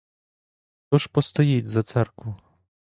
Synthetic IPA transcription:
t̪ɔʂpɔst̪ɔjed̪ʲzat̪saɾku

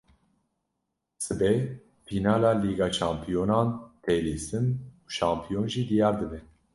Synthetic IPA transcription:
sɨbɛ | fʰinɑːlɑːliːɡɑːt͡ʃɑːmpʰijonɑːnt̪ʰeleːsɨnuʃɑːmpʰijonʒid̪ijɑːɾd̪ɨbɛ

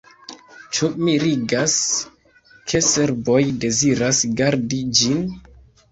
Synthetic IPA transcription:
t͡ʃumiɾiɡas | kʰe̞se̞ɾbo̞jde̞ziɾasɡaɾdid͡ʒin

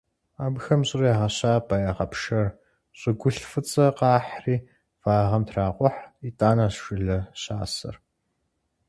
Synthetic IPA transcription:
aːbxɐmɕʼɪrjaːʁɐɕaːbaːjaʁɐpʃɐr | ɕʼɨɡʷʊɬfɨt͡sʼɐqɑːħriː | faːʁɐmtʰraːqʷɔħitʼaːnaːɕʃʷɪɮɐɕaːsɐ̰r

